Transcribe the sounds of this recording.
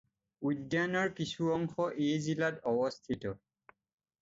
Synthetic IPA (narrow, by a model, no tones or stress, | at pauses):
ujdanɔɹkisuɔŋxɔʔejzilatɔbɔstʰitɔ